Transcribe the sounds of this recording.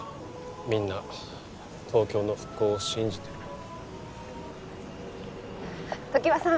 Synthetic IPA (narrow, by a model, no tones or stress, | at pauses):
mʲĩnːa | t̪ʰo̞ːkʲo̞ːno̞ɸɯ̟̥kːo̞ːɕĩɲ̟d͡ʑit̪e̞ | t̪o̞kʲiβasã